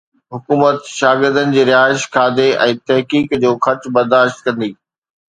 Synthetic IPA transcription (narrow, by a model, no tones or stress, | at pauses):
ɦʊkuːmət̪ʃaːɡɪɾd̪ənɪ̆d͡ʑeːɾɪaːɪʃkʰaːd̪eɛ̃ːt̪ɛɦkiːkd͡ʑoːxʰɐɾt͡ɕbɐɾd̪aːʃt̪̚kɐ̃nd̪iː